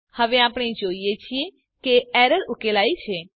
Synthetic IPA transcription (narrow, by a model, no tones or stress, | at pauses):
həʋeapɽ̃ed͡ʒoijet͡ʃʰie | keɛɾəɾukelajt͡ʃʰe